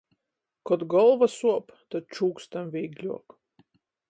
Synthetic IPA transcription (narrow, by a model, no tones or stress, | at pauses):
kɔd̪ɡɔlˠvasuɔpt̪ad̪̚t͡ʃuːkst̪amvʲijɡlʲuɔk